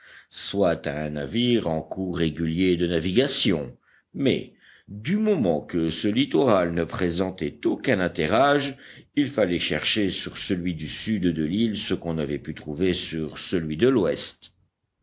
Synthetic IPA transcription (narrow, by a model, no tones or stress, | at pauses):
swat̪aɛ̃naviʁɑ̃kuʁeɡʲyljed̪ənaviɡasjɔ̃ | mɛ̰ | d̪ymɔmɑ̃kəsəlit̪ɔʁalnəpχezɑ̃t̪ɛt̪okɛ̃nɛ̃t̪ɛʁaʒilfalɛʃɛʁʃesyʁsəlɥid̪ysyd̪d̪əlilsəkɔ̃navɛpyt̪χuvesyʁsəlɥid̪əlwɛst̪